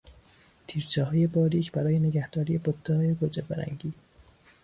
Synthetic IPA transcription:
t̪ʰiːɾt͡ʃʰɛːɦɒːjebɒːɾiːcʰbæɾɒːjeneɡæhd̪̥ɒːɾiːje̞bot̪ʰːɛhɒːjeɡod͡ʒebæɾæ̰ŋɟiː

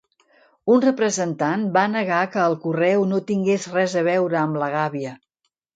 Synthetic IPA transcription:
unrəpɾəzənt̪anbanəɣakəːlˠkurɛwnot̪iŋɡezrɛzəβ̞ɛwɾəːmləɣ̞aβiə

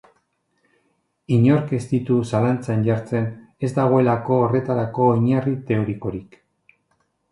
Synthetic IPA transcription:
iɲo̞ɾkest̪it̪usalant͡sanʎaɾt͡se̞n | e̞zd̪aɣ̞o̞e̞lako̞ːre̞t̪aɾako̞iɲarit̪e̞oɾiko̞ɾik

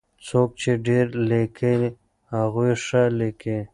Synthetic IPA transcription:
t͡sok̚t͡ʃeɖeɾlekʰen | haɣuʂaleke

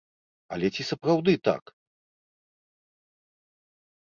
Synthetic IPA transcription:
ɐ̰lʲɛt͡sʲisɐpɾawd̪ɨt̪a̰k

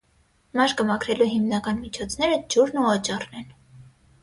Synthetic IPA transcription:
mɑʃkəmɑkʰɾɛluɦimnɑkɑnmit͡ʃʰɔt͡sʰnɛɾəd͡ʒuɾnuɑt͡ʃɑrnɛn

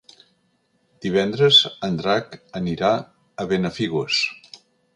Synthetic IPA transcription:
d̪̥iβ̞ɛnd̪ɾəzənd̪ɾakəniɾa | əβenəfiɣus

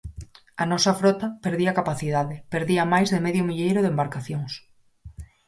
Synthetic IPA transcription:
ɐnɔsɐfɾɔt̪ɐpeɾðiɐkapaθiðaðɪpeɾðiɐmajzðɪmeðjʊmiʎejɾoðembaɾkaθjoŋs

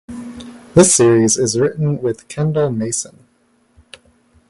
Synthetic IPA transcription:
ðɪsɪɹizɪzɹɪʔn̩wɪð̥kʰɛ̃ndl̩ˠmeɪsə̃n

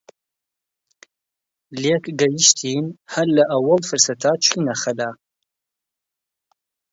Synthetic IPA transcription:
leːkɡɐjiʃt̪ʰiːnhɐɾlɐʔɐwɐlfɨɾsɐt̪ʰat͡ʃʰiːnaxɐlaː

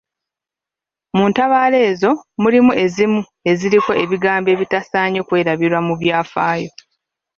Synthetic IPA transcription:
muːntaβaːle̞ːzo̞mulimuʔe̞zimu | e̞ziɾiko̞ʔe̞βiɡaːmbe̞ːβitasaːɲo̞kwe̞ːɾaβiɾwamuβjaːfaːjo̞

